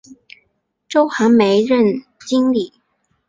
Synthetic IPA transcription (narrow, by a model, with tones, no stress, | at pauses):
ʈ͡ʂo˥ʊxa˧˥nme˧˥ɪɻə˥˩n | t͡ɕi˥ŋli˨˩˦